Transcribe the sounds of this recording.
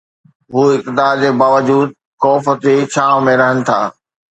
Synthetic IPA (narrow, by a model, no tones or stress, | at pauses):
ɦuːɪk̚t̪ɪd̪aːɾd͡ʑeːbaːʋəd͡ʑuːd̪̚ | kɔːfət̪d͡ʑet͡ɕʰaːʋmẽɾɐɦənɪ̆t̪ʰa̰ː